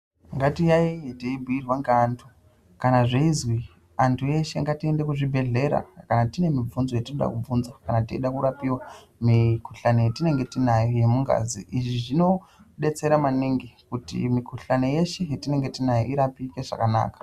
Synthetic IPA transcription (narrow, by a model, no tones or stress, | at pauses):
ŋɡatijaiteibʱuirwaŋɡeantʰu | kanaʐeizwi | antʰuje̞ʃe̞ŋɡatie̞nde̞kuʐibʱe̞ɮe̞ɾa̰kanatine̞mib͡vunzo̞jetinoɗa̰kub͡vunzakanateiɗakuɾapiwa | mikuɬanojetine̞ŋɡe̞tinajoje̞muŋɡa̰zḭʔiʐiʐino̞ɗe̞t͡se̞ɾamaneŋɡekutḭmikuɬanoje̞ʃejetine̞ŋɡe̞tinajoiɾapikeʐ̥a̰kana̰ːkḁ